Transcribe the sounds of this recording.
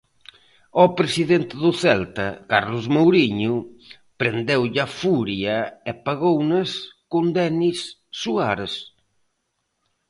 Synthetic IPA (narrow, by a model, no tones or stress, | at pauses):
ɔpɾesiðent̪ɪðʊθɛlt̪ɐ̰kaɾlʊzmowɾiɲʊ | pɾend̪ɛwʎafuɾjɐepaɣownɐskund̪ɛnisːuaɾs